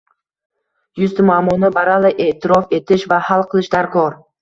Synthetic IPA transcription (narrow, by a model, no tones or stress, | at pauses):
jʊst̪ɪmʊamːɒnɪbaɾalɪʔe̞ːt̪ʰɪɾɒfe̞t̪ʰɪʃvahalˠqʰɨlˠɪʃd̪aɾkʰɒɾ